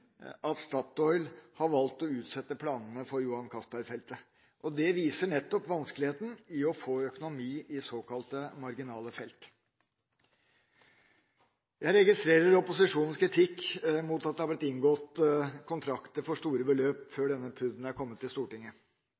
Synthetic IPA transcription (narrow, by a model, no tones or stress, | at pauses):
ɑt̪st̪ɑt̪ɔʏlhɑɾʋɑlt̪ɔʉːt̪sɛt̪ːəpʰlɑːnn̩əfɔɾjʊhɑnkʰɑspæɾfɛlt̪ə | ʔɔd̪ɛʋiːsəɳɛt̪ːɔpʋɑnskəlɪheːt̪n̩ɪɔfoːœkʊnʊmiːʔɪsoːkɑlt̪əmɑɾɡɪnɑːləfɛlt̪ | jæɪɾɛɡɪst̪ɾeːɾəɾɔpʊsɪʂuːn̩skɪt̪ʰɪkːmuːt̪ɑt̪̚d̪ɛhɑblɪt̪ːɪŋɡɔt̪kʰʊnt̪ʰɾɑkt̪əɾfɔʂt̪uːɾəbəløːpføːɖɛnːəpʰʉd̪n̩æɾkʰɔmːət̪ʰːɪlst̪uːʈɪŋːə